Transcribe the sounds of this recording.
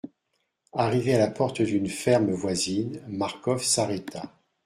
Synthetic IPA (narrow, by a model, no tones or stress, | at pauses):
aʁivealapɔʁt̪əd̪ynfɛʁmvwazinmaʁkɔfsaʁet̪ʰa